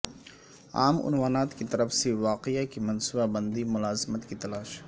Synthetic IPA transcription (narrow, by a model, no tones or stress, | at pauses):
a̰ːmʊ̰nwaːnaːt̪kit̪ɐɾəfsewaːqɪakimɐnsʊbabɐ̃nd̪imʊlaːzɪmət̪kit̪ɐlaːʃ